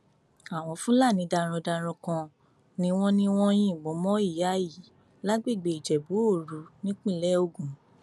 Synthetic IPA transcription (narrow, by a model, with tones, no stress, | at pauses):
a˦˨w̃ɔ̃˧fũ˦la˦˨nĩ˨˧da˧ɾ̃ɔ̃˧da˧ɾ̃ɔ̃˧kã˧ | nĩ˧w̃ɔ̃˦nĩ˧w̃ɔ̃˦j̃ĩ˦˨ɡ͡bɔ˨˦mɔ̃˦i˦˨ja˨˦ji˨˦ | la˦ɡ͡be˦˨ɡ͡be˧i˨d͡ʒɛ˨bu˨˦o˦˨ɾu˨˧˦nĩ˦k͡pĩ˦˨lɛ˦o˦˨ɡũ˨